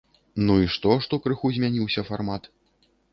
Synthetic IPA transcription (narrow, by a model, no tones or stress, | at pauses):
nuiʂt̪ɔʂt̪ɔkɾɨxuzʲmʲanʲiwsʲɐfarmat̪